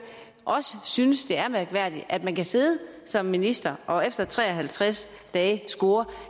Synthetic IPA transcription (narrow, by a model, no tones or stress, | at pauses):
ʔɒ̽səsynəsd̥e̝æɐmæɐɡ̥ʋæɐ̰d̥iʔæd̥mænkʰæse̝ːð̞ˠəsɒ̽mːinisd̥ɐʔɒ̽efd̥ɐt͡sʰʁɛːɒɦælt͡sʰʁas | d̥ɛːsɡ̥o̝ːɐ